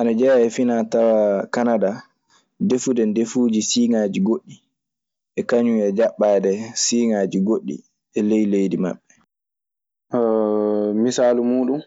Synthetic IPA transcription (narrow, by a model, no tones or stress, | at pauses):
ʔanad͡ʒɛɛfinatawakanada | defudɛndefuːd͡ʒisiːŋaːd͡ʒiɡoɗːi | ʔɛkaɲuɛd͡ʒaɓːaːdɛsiːŋaːd͡ʒiɡoɗːḭ | ɛlejlejdima̰ɓːɛ | misaːlumuːɗun